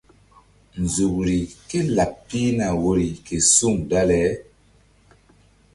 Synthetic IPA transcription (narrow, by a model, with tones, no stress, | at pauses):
n˨zu˨kɾi˨ke˦la˨p̚pi˦na˨wo˦ɾi˨ke˨su˦˨ŋda˦lɛ˨˦